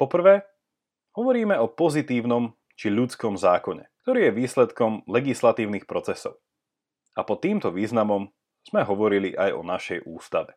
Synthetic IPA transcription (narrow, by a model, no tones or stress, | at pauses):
pɔpr̩ʋɛː | ɦɔʋɔɾiːmɛɔpɔzit̪iːʊnɔm | t͡ʃiʎut͡skɔmzaːkɔɲɛ̰k̚t̪ɔɾiːjɛʋiːslɛt̪kɔmlɛɡislat̪iːʊnixpɾɔt͡sɛsɔʊ | apɔt̪ːiːmt̪ɔʋiːznamɔm | z̥mɛɦɔʋɔɾiliʔajɔ̰naʃɛjʔuːst̪aʋɛ